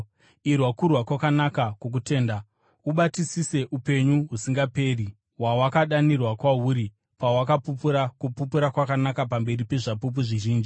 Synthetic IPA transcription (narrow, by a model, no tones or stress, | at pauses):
irwakurwakwakanakakuk̬ute̞ːnda | uɓatisise̞ʔupe̞ɲuɦusiŋɡape̞ːri | wawakaɗanirwakwauɾi | pawakapupuɾakupupuɾakwakanakapambe̞ripe̞ʐapup̬uʐiʒiːnd͡ʒi